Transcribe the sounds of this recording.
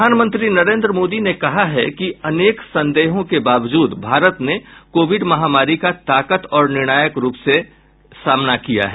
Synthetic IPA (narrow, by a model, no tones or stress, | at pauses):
aːnmə̃nt̪ɾinɐɾẽːnd̪ɾəmoːd̪inekɐɦaɦɛ̰kiɐneːksɐ̃nd̪eːɦõkebaːʋd͡ʒuːd̪bʱaːɾət̪nekoːʋɪɖmɐɦaːmaːɾikat̪aːkət̪ɔːɾnɪɾɽ̃aːjəkɾuːpse | saːmnakija̰ɦɛː